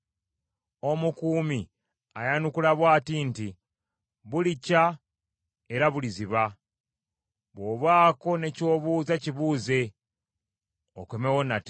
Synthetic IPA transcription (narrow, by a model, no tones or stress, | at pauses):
o̞mukuːmi | a̰janukulaβwaːtinti | βulica | e̞ɾaβuliziβa | βwo̞ːβwaːko̞ne̞co̞ːβuːzaciβuːze̞ | o̰kwemewonat